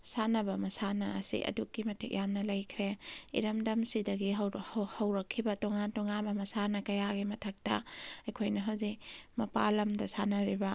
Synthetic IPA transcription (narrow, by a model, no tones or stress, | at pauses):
sanɐbɐmɐsanɐɐsḭʔɐ̰dukːimɐtʰḭk̚jamnɐlɐjkʰɾeḭɾɐmdɐmsidɐɡiɦhɐwɾɐkʰːibɐtoŋantoŋabɐmɐsanɐkɐjaɡimɐtʰɐk̚tɐ̰ɐjkʰojnɐɦɐwzik̚mɐpalɐmdɐsanɐɾibɐ